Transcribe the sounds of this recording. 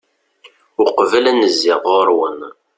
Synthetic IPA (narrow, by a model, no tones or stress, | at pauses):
ʊqvəlænəzːɪʁʊɾwən